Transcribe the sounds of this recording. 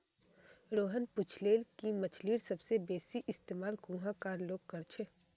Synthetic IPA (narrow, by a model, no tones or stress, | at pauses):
ɾoːɦənpʊt͡ʃʰleːlkimɐt͡ʃʰliːɾsɐbsebeːsiʔɪst̪eːmaːlkũːɦãkaːɾloːɡ̚kɐɾt͡ʃʰeː